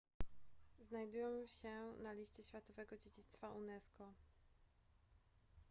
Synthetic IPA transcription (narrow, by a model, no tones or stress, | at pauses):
znajd̪ujɛmɕɛnalʲiɕt͡ɕɛɕfʲjat̪ɔvɛɡɔd͡ʑed͡ʑit̪st̪faʔunɛskɔ